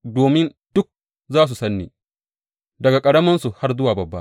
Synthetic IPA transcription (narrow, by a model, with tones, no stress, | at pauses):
doː˨mɪ˦n | d̥ʊ˦k̚ | zaː˦s̬u˨sɐ˦nːḛː˨ | dɐ˨ɡa˨kʼɐ˨ɽɐ˦mɐ˦nsu˨ha˦rzʊ˦waː˨bɐ˨bːa̰˦